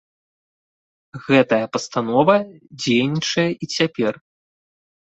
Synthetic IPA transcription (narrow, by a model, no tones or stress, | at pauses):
ɣɛt̪ɐjɐpɐst̪anɔvɐd͡zʲejnʲit͡ʂɐjɐʔit͡sʲapʲɛr